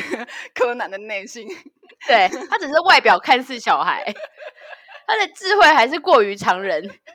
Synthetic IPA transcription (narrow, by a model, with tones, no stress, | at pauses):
kʰɤ˦na˨˦nd̪ə˨ne˥˩ɪɕi˦n | t̪we˥˩ɪt̪ʰa˦˥t͡s̩˨˩ʂɻ̩˥˧wa˥˩ɪpjɑ˨˩ʊkʰa˥˧nsɹ̩˥˨˩ɕjɑ˨˩ʊxa̰˧˦ɪ | t̪ʰa˦˥d̪ə˨ʈ͡ʂɻ̩˥˧xwe˥˩ɪxa˧˥ɪʂ̬ɻ̩˥˧kwɔ˥˩y˧˥ʈ͡ʂʰɑ˧˥ŋɻə˧˦n